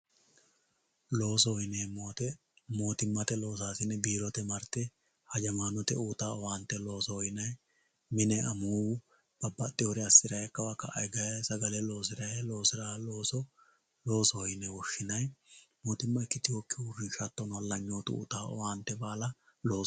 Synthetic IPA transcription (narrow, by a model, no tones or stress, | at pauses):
lo̞ːs̬ɔjɪneːmːoːt̪ɛ | mo̞ːt̪ɪmːɐt̪ɛlo̞ːsaːsɪnːɛbiːɾɔt̪ɛmɐɾt̪ɛ | hɐd͡ʒɐmaːnɔt̪ɛuːt̪aːɔwaːnt̪ːɛlo̞ːsɔɔjɪnɐj | mɪnɛɐmuːwʊ | b̥ɐbːɐt̪ʼːɪɔɾɪɐsːɪɾɐjɛkːɐwakɐʔɐ̰jɡɐjɐsɐɡɐlɛlo̞ːsɪɾɐjɛlo̞ːsɪɾaːloːsɔ | lo̞ːsɔɔjɪnːɛwɔʃːɪnɐjmoːt̪ɪmːɐɪkːɪt̪ɪwɔkːɪwʊrːɪʃat̪ːɔnlːɐɲːoːt̪ʊ̰ṵːt̪aːɔ̰waːnt̪ːɛbaːlɐlo̞ː